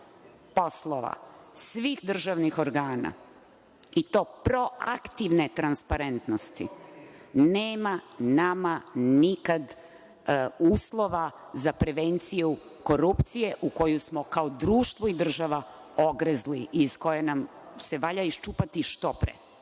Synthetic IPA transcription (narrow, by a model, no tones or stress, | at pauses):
po̞slˠoʋa̰sʋiːxd̪r̩ʒaʋnixo̞ɾɡaːna̰ | it̪o̞ːpɾo̞akt̪iʋnet̪ɾanspaɾe̞nt̪nost̪ḭ | neːmanamanikad̪ | uːslˠo̞ʋa | zapɾe̞ʋent̪siju | ko̞ɾupt̪sije̞ʔuko̞jusmo̞kaod̪ɾuːʃt̪ʋoid̪r̩ʒaʋa | o̞ɡɾezliʔiːsko̞jenamse̞ʋaʎaiʃt͡ʃuːpat̪iʃt̪o̞pɾḛ